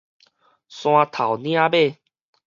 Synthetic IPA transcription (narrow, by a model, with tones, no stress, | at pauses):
sw̃ã˧t̪ʰa˨˩wnj̃ã˥˦be˥˧˨